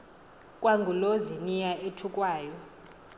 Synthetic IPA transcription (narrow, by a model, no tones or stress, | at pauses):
kʼwaŋɡʱulozinijaʔetʰukʼwaːjɔ